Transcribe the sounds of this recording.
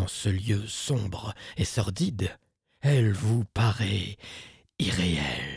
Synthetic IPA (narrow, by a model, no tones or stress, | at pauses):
ɑ̃səljøsɔ̃bʁesɔʁd̪id̪ | ɛlvupaʁɛ | iʁeɛl